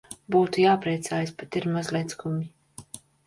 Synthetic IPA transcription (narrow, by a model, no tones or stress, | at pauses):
buːt̪ujaːpɾiɛt̪saːjaspet̪iɾmazlʲˠɛt̪skumʲi